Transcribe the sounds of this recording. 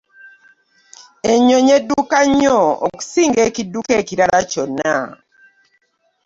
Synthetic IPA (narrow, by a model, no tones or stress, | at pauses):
eɲoɲedukaɲɔɔ̰ksiŋɡekidukekiɾaɾat͡ʃɔna̰